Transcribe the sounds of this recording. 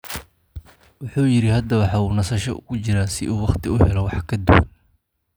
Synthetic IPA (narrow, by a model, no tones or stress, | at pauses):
wʊħuːjɪɾɪhɐd̪ɐwɑħɑːuːnɐsɐʃɔ̰ʊ̰kʊt͡ʃɪɾaːsɪ̰ʔuːwɑχt̪ʰɪʊhɛlɔwɑħkʰɐd̪ʊwɐ̰n